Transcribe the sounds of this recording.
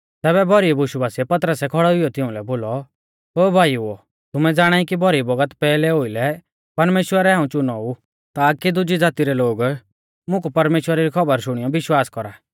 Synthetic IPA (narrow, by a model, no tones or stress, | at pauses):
t̪ɛːβɛbʱɔɾibuʃubaːsiɛpɐt̪ɾəsɛkʰɔɽɔijɔt̪ɪʊ̃lɛboːlɔ | oːbʱaːjuo | t̪ʊmɛd͡zaːɽ̃aːikibʱɔɾibɐɡət̪pɛːlɛɦoilɛ | pɐɾmeːʃwəɾɛɛːũt͡ʃʊnɔu | t̪aːkid̪ʊd͡ʒid͡zaːt̪iɾɛloːɡ | mʊ̃kupɐɾmeːʃwəɾaɾikʰɔbəɾʃʊɽ̃ijɔbɪʃwaːskɔɾaː